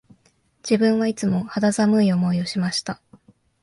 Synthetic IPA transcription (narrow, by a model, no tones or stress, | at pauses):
d͡ʑ̥ibɯ̟̃ɰ̃βait͡sɨmo̞had̪azamɯ̟io̞mo̞io̞ɕimaɕi̥t̪a